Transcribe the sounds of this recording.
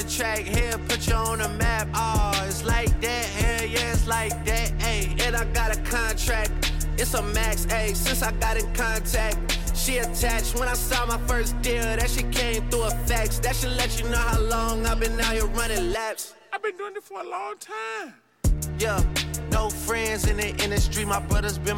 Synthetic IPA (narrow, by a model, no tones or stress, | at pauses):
tʰɹ̥æk̚hipʰʊt͡ʃəə̃nəmæpɑɪtslaɪk̚dɨ | hɪjæɪtslaɪk̚dɨeɪɨ̃naɪɡɑɾɨkʰɑ̃ntʰɹ̥æk̚t̚ | ɨtsəmækseɪsɪ̃nsaɪɡɑɾɨ̃nkʰɑ̃ntʰɹ̥æk̚t̚ | ʃiɨtʰæt͡ʃt̚wə̃ɾ̃aɪsɔmaɪfɜ˞sd̥ɪɹɾɨ̥ʃikʰẽɪ̃mθɹuəfɛksðɨtʃilɛt͡ʃɨnoʊhaʊlɔ̃ŋaɪvbɨ̃nːaʊjəɹʌnɪ̃ŋlæps | aɪvbɨ̃nduɪ̃ŋɨtfə˞əlɔ̃ŋtʰãɪɪ̃m | jænoʊfɹɛ̃ndzɨ̃nðiʔɪ̃ndɨstɹ̥imaɪbɹʌðə˞zbɨ̃